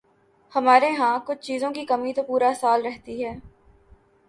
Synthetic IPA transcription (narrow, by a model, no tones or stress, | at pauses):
hɐmaːɾeɦãːkʊt͡ʃʰt͡ʃiːzõkikɐmit̪opuːɾasaːlɾɛɦt̪iɦɛː